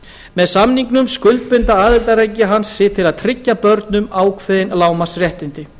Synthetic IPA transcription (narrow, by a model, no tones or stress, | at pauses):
mɛðsamniŋknʏmskʏlt̪̚pʏnt̪aaːðɪlt̪aɾaːjcːɪɦansːɪt̪ʰɪlaðt̪ʰɾɪcːapœɾt̪nʏmaːwkʰvɛːðɪnlaːwmasrjɛht̪ɪnt̪ɪ